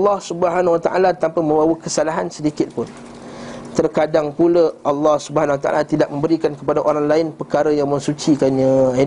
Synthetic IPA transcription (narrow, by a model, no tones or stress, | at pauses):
lːɑhsubəɦanwat̪aʔa̰lat̪ampamə̃mbawəkəsalaɦansədikɪt̪̚pʊn | t̪ərkadaŋpuləʔɑlːɑhsubəɦanwat̪aʔa̰lat̪idak̚mə̃mbəɾikankəpadaʔoɾaŋlaɪnpərkaɾəjaŋmə̃ŋsut͡ʃikanɲã